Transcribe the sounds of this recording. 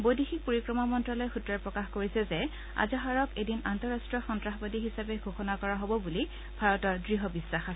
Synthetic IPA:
bojdixik̚poɹikɹɔmamɔntɹɔlɔjxutɹaɹpɹɔkaxkoɹisɛzɛ | a̰zɔɦaɹɔkedinantɔɹastɹɔxɔntɹaxbadiɦisabɛɡʱoxɔnakɔɹaɦobɔbuli | bʱaɹɔtɔɹdɹiɦɔbisːaxa

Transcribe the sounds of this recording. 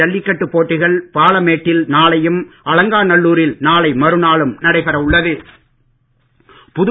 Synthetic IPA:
ɐɭːɪkːɐʈːɯpːoːʈːɪɣɐɭpaːɭɐmeːʈːɪlnaːɭɐjɯmɐlɐŋɡaːnɐɭːuːɾɪlnaːɭɐɪmɐɾɯnaːɭɯmnɐɽɐɪpɐɾɐʋʊɭːɐðɯ | pʊð

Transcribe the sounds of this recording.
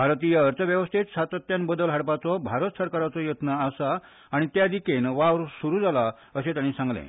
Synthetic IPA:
bʱaɾt̪ijəəɾt̪ʰəʋjəʋəst̪ʰet͡ssat̪ət̪janbəd̪əlɦaɽpat͡sɔbʱaɾət̪səɾkaɾat͡sɔjət̪naːsaː | ɽ̃it̪jad̪ikenʋaʋɾsuɾuːd͡zala | əsẽt̪jaɽ̃isãŋɡlḛ̃

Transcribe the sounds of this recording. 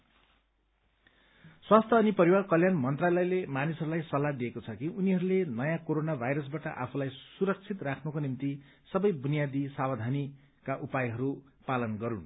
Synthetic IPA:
swast̪ʰʌʌːnipʌɾiwarkʌljanmʌnt̪ralʌjlemanisʌɾulajsʌlːad̪iekot͡sʰʌkiʔuniɦʌɾulenʌjãkoɾonabʱajɾʌsbaʈʌʔa̰pʰulajsuɾʌk̚t͡sʰit̪rakʰnukonimt̪i | sʌbʌjbunijad̪isabʌd̪ʱani | kaʔupajɦʌɾu | palʌnɡʌɾun

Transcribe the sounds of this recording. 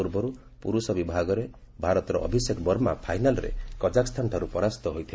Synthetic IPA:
uɾbɔɾu | puɾusɔbibʱaɡɔɾe | bʱaɾɔt̪ɔɾɔʔɔ̰bʱisekbɔɾmapʰajnalɔɾḛkɔd͡ʒakst̪ʰanʈʰaɾupɔɾast̪ɔɦojt̪ʰil

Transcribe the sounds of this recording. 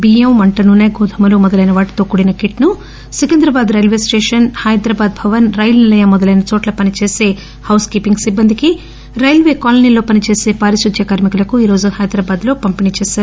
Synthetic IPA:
biɐmmɐɳʈɐnunɐjɡʱuːd̪ʱɐmɐloːmɔd̪ɐlɐjnɐʋaːʈt̪o̞ːkuɽinɐkiʈnu | sikɐnd̪ɾɐbaːd̪ɾɐjlʋe̞ːsʈeːʂɐnhɐjd̪ɾaːbaːd̪̚bʰʱɐʋɐnɾɐjlnilɐjɐmɔd̪ɐlɐjnɐt͡ʃoːʈlɐpɐnit͡ʃeːse̞ː | hɐwskiːpiŋɡsibːɐnd̪iki | ɾɐjlʋe̞ːkaːlɐniːloːpɐnit͡ʃeːse̞ːpaːɾiʃɾud̪ʱjɐkaːɾmikulɐkuiːɾo̞ːd͡ʒuhɐjd̪ɾaːbaːd̪lo̞ːpɐmpinit͡ʃɛːʃaːɾu

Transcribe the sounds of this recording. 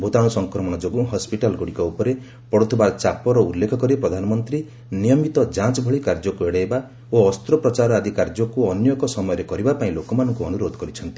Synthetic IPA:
bʱot̪aɽ̃usɔŋkɾɔmɔɽ̃ɔd͡ʒoɡuɦɔspiʈalɡoɽikɔupɔɾe | pɔɽut̪ʰubaɾt͡ʃapɔɾɔulːekʰɔkɔɾipɾɔd̪ʱanɔmɔnt̪ɾi | nijɔmit̪ɔd͡ʒãt͡ʃbʱɔɭikaɾd͡ʒɔkueɽaeba | oɔst̪ɾɔpɾɔt͡ʃaɾɔad̪ʱikaɾd͡ʒɔkuɔnjɔkɔsɔmɔjɔɾekɔɾibapaĩlokɔmanɔŋkuɔnuɾod̪ɔkɔɾit͡ʃʰɔnt̪i̥

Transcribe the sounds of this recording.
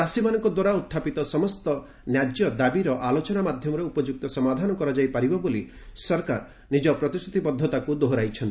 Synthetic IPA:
asimanɔŋkɔd̪waɾaut̪ʰːapit̪ɔsɔmɔst̪ɔ | njad͡ʒjɔd̪abiɾɔʔalot͡ʃɔnamad̪ʱjɔmɔɾeupɔd͡ʒuk̚t̪ɔsɔmad̪ʱanɔkɔɾad͡ʒajpaɾibɔboli | sɔɾka̰ɾ | nid͡ʒɔpɾɔt̪ist̪ʰut̪ʰipɔd̪ʱːɔt̪akud̪oɦoɾajt͡ʃʰɔnt̪i

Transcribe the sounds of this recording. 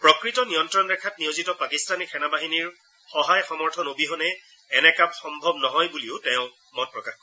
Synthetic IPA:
pɹɔkɹitɔnijɔntɹɔnɹɛkʰatnijozitɔpakistanikʰɛnabaɦiniɹ | xɔɦajxɔmɔɹtʰɔnobiɦɔnɛː | nɛkapxɔmbʱɔbnɔɦɔjbuliʊtɛʊ̃ | mɔnpɹɔkaxkɔ

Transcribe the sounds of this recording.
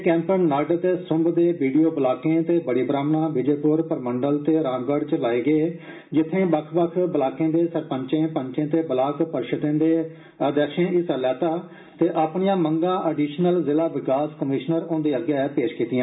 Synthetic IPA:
kɛ̃ːmpənːəɾɖt̪eːsʊ̃mbd̪eːʋiːɖijoːbəlaːkẽːt̪eːbəɽiːbɾaːmnãːbɪd͡ʒeːpʊːɾpəɾməɳɖəlt̪eːɾaːnbəɖt͡ʃəlaːeːɡeː | d͡ʒɪt̪ʰːẽːbəkʰbəkʰbəlaːkẽːd̪eːsəɾpəɲt͡ʃẽːpəɲt͡ʃẽːt̪eːbəlaːkpəɾʃət̪ẽːd̪eː | əd̪ɛːʃẽːɪsəlɛːt̪aː | t̪eːʔaːpɳɪjãːməŋɡãːʔəɖiːʃnəlzɪlaːʋɪkaːskəmɪːʃnəɾõːnd̪iːəɡjaːɛːpeːʃkiːt̪ɪjãː

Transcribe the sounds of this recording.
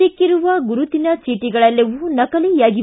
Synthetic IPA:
ikːiɾuʋɐɡuɾut̪inɐsiːʈiɡɐɭɐlːɐʋunɐkɐlijaːɡi

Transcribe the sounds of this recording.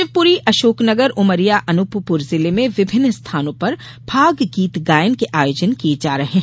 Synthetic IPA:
ɪʋpuːɾiʔɐʃoːknɐɡəɾʊməɾijaʔɐnʊppʊɾzɪlemẽʋɪbʱɪnːst̪ʰaːnõpɐɾ | b̥ʱaːɡɡiːt̪ɡaːjənkeʔaːjoːd͡ʒənkied͡ʒaːɾɐɦẽ

